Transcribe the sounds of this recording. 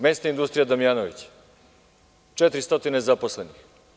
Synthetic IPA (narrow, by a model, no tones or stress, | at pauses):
mest̪aind̪ust̪ɾijad̪amijanoʋit͡ɕ | t͡ʃet̪ɾist̪o̞t̪inezaposlenix